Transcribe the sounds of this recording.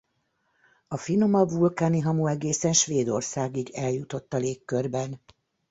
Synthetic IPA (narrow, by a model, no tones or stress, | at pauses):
ɒfino̞mɒvulkaːniɦɒmuɛɡeːsɛnʃʋeːd̪o̞̰rsaːɡiɡɛljut̪o̞t̪ːɒleːkːørbɛn